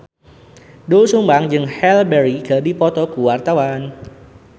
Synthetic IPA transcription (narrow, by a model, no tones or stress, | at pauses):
dusumbaŋd͡ʒɨŋhɛlbɛɾiɡə̤dipɔt̪ɔkuwart̪awan